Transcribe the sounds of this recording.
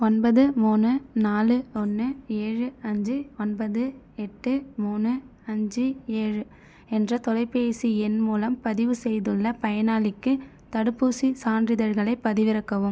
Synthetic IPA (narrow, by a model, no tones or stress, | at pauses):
ɔnbɐðɯmuːnɯnaːlɯɔnːɯeːɻɯɐɲd͡ʒɯɔnbɐðɯ | ɛʈːɯmuːnɯ | ɐɲd͡ʒɯeːɻɯ | ɛndrɐt̪ɔlɐɪpːeːsiɛnmuːlɐmpɐðɪʋɯsɛjðɯɭːɐpɐjɐnaːlɪkːɯ | t̪ɐɽɯpːusisaːndrɪðɐɾɣɐɭɐɪpːɐðɪʋɪɾɐkːɐʋɯm